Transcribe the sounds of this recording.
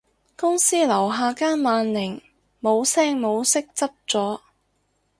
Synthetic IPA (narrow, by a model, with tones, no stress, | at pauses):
kʊ˥ŋsiː˥lɐ˨˩wɦaː˧kaː˥nmaː˧nlɪ˨˩ŋ | mo˨˧wsɛː˥ŋmo˨˧wsɪ˥k̚t͡sɐ˥p̚t͡sɔː˨˧˥